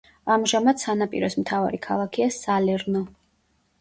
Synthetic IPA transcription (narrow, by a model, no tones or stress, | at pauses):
amʒamad̪sanapʼḭɾɔsmt̪ʰava̰ɾikʰa̰lˠakʰiasalɛɾnɔ